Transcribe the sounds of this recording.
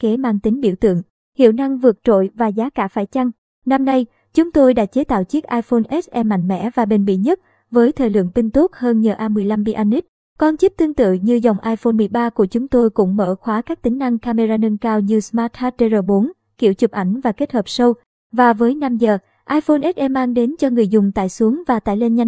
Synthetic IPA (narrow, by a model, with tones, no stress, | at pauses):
ke˨˦maː˧ŋt̪ï˨˦ŋ̟ɓḭ˧˩əwt̪ɨ̰˧˨əŋ | hḭ˧˨əwna˧ŋvɨ˨˩ək̚t͡ɕo̰˧˨jvaː˨˩zaː˨˦kaː˧˩faː˧˩jt͡ɕa˧ŋ | na˧mna˧j | t͡ɕʊ˨˦ŋ͡mt̪o˧jɗa̰ː˧˥t͡ɕe˨˦t̪a̰ː˧˨wt͡ɕi˦˥ək̚ʔaː˧jfo˧nʔɛ˦˥t̚ʔɛ˧mːa̰˧˨jŋ̟mɛ̰˧˥vaː˨˩ɓe˧˩nmḭ˧˨ɲə˦˥t̚ | vəː˨˦jt̪ʰəː˨˩jlɨ̰˧˨əŋpï˧ŋt̪u˦˥k̚həː˧nɲəː˨˩ʔaː˧mɨ˨˩əjla˧mɓi˧ʔa˧nːi˦˥t̚ | kɔ˧nt͡ɕi˦˥p̚t̪ɨ˧əŋt̪ɨ̰˧˨ɲɨ˧za˨˩wŋ͡mʔaː˧jfo˧nmɨ˨˩əjɓaː˧ku˧˩ət͡ɕʊ˨˦ŋ͡mt̪o˧jkʊ̰˧˥ŋ͡mmə̰ː˧˩xwaː˨˦kaː˦˥k̚t̪ï˨˦ŋ̟na˧ŋkaː˧me˧zaː˧nə˧nkaː˧wɲɨ˧smaː˦˥t̚ha˦˥t̚ːe˧zəː˨˩ɓo˨˦n | kḭ˧˩əwt͡ɕɨ˨˩p̚ʔa˧˩jŋ̟vaː˨˩ke˦˥t̚həː˨˩p̚sə˧w | vaː˨˩vəː˨˦jna˧mzəː˨˩ | ʔaː˧jfo˧nʔɛ˦˥t̚ʔɛ˧mːaː˧ŋɗe˨˦nt͡ɕɔ˧ŋɨ˨˩əjzʊ˨˩ŋ͡mt̪a̰ː˧˨jsu˨˦əŋvaː˨˩t̪a̰ː˧˨jle˧nɲa˧